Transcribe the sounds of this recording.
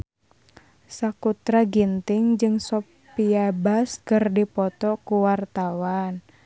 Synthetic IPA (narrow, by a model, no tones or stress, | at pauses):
sakut̪ɾaɡint̪ɪŋd͡ʒɨŋsɔ | piabaskərdipɔt̪ɔkuwart̪awan